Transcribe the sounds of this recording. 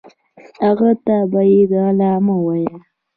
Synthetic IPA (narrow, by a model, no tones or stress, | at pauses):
haɣat̪abajed̪aalɑmawaja